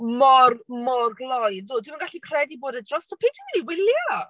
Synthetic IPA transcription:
mɔrmɔrɡlˠɔjdʊːdwɪmənɡaɬikʰrɛdiboːdədrɔstɔpʰeːtʰɪminiwɪljaɔ

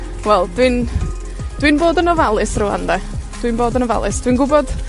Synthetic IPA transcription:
wɛlˠd̥wɨn | d̥winboːdənɔvalˠɨsrʊa̰ndɛ | d̥winboːdənɔva̰lˠɨsd̥winɡʊbɔd̥

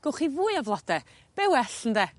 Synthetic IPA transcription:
ɡ̥ʊχivujavlˠɔd̥ɛ | b̥ɛwɛɬəndɛ

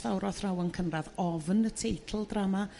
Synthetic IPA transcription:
vawɾɔθrawənkʰənraðɔvnətʰejtʰl̩ˠdrama

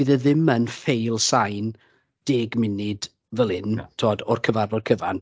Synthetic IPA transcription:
iðɛðɪmənfejlˠsajn | d̥eːɡmɪnɪd̥ | vəlˠɨntʰoːdɔrkʰəvarvɔrkʰəvan

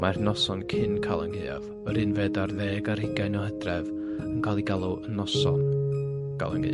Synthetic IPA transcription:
marnɔsɔnkʰɪnkʰalˠənɡeːa̰v | ɔɾɨnveːdarðeːɡaɾɪɡajnɔhɛdrɛv | ənkʰalˠiɡalˠuənɔsɔ̰nɡ̥a̰lˠə̰nɡḛ

